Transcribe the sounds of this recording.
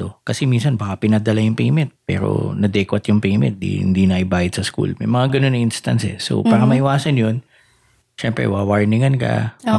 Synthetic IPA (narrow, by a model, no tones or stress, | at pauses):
okɐsɛminsɐnbaːkapɪnad̪ɐlajʊŋpejmɛnt̪̚pɛ̰ːɾo̰nɐd̪ɛːkwɐt̪jʊŋpejmɛ̰nt̪̚d̪ḭhɪ̰nd̪inɐʔɪbaːjɪt̪sɐskṵlmɐ̰jmɐŋaɡɐnonːɐʔinst̪ɐ̰nsɛ̰so̰paːɾɐmɐʔɪwaːsɐnjon | ʃɛmpɾɛ̰wawaɹnɪŋɐnkɐ̰